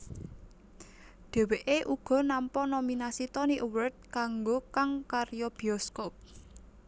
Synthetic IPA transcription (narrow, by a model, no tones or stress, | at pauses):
ɖ̪̥e̤weʔeʔuɡ̥ɔ̤nampɔnominasit̪ɔniʔuwərt̪̚kaŋɡokaŋkarjɔb̥i̤ɔskɔp̚